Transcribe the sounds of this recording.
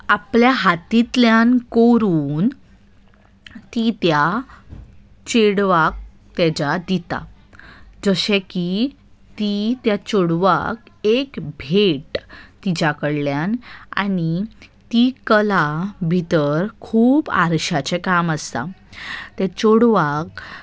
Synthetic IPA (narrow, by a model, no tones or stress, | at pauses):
apljaɦat̪it̪ljankoɾuːn | t̪it̪ja | t͡ɕeɽʋak̚ | t̪ɛd͡ʑad̪it̪a̰ | d͡zəɕeki | t̪it̪jat͡ɕoɽʋa̰kekbʱeʈt̪id͡ʑakəɽljana̰ɽit̪ikəlabʱit̪əɾkʰuːba̰ɾɕat͡ɕekaməst̪a̰t̪ɛt͡ɕoɽʋak